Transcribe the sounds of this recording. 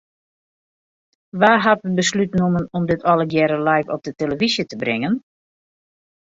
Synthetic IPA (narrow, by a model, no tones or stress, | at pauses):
ʋaːɦatəbəslytnumənɔmdɪtʰɔlˠəɡjɛɾəlajkɔp̚dəteləvizjətəbrɪŋən